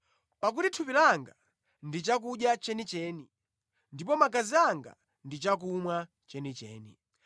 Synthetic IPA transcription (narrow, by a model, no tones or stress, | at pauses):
pak̬utitʰupilaŋɡa | ndit͡ʃak̬uɗjat͡ʃɛnit͡ʃɛːni | ndipɔmak̬aziaŋɡa̰ | ndit͡ʃak̬umwa | t͡ʃɛnit͡ʃɛ̰ːni